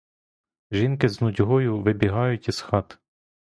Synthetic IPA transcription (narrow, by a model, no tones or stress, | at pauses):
ʒinkɪznʊdʲɦɔjʊʋɪbʲiɦɑjʊtʲisxɑt̪